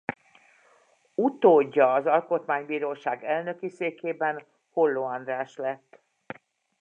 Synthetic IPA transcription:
ut̪oːɟːɒːzɒlko̞t̪maːɲbiːɾoːʃaːɡɛlnø̞kiseːkeːbɛn | holːoːɒnd̪raːʃlɛt̪ː

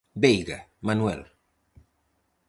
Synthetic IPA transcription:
bejɡəmanwɛ̰l

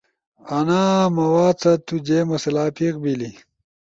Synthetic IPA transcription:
ɐnaːmɐwaːt͡sɐt̪ud͡ʑeːmɐselaːpikbili

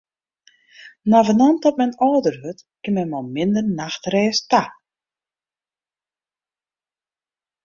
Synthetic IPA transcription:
navənant̪ɔp̚mɛjnɔwdəɾhʏt̪kɪmɛmawmɪnd̪ərnaxt̪reːst̪a

